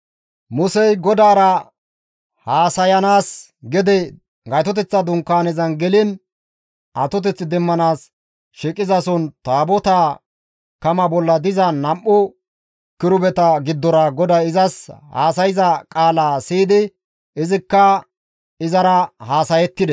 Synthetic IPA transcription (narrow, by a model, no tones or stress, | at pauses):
mʊsɛjɡɔd̪aːɾɐ | haːsɐjɐnaːs | ɡɛd̪ɛ | ɡɐjt̪ɔt̪ɛt͡sːɐd̪ʊŋkːaːnɛzɐnɡɛlɪn | ʔɐt̪ɔt̪̬ɛt͡sːɪd̪ɛmːɐnaːs | ʃikʼːɪzɐsɔnt̪aːbɔt̪aː | kɐmɐbɔlːɐd̪ɪzɐnɐmʔːʊ | kɪɾʊbɛt̪ɐɡɪd̪ːɔɾɐɡɔd̪aɪzɐsha̰ːsɐjɪzɐkʼaːlaːsiːd̪ɪ | ɪzɪkːɐ | ɪzɐɾɐhaːsɐjɛt̪ːɪd̪ɛ